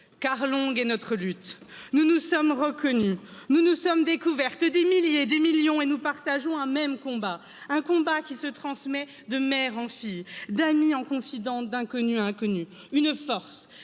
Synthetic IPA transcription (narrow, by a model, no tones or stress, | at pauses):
kaʁlɔ̃ɡɛnɔt̪χəlyt̪ | nunusɔmʁəkɔnynunusɔmd̪ekuvɛʁt̪d̪emiljed̪emiljɔ̃enupaʁt̪aʒɔ̃ɛ̃mɛmkɔ̃ba | ɛ̃kɔ̃bakʲisət̪χɑ̃smɛ | d̪əmɛʁɑ̃fijd̪amiɑ̃kɔ̃fid̪ɑ̃d̪ɛ̃kɔnyɛ̃kɔny | ynfɔʁs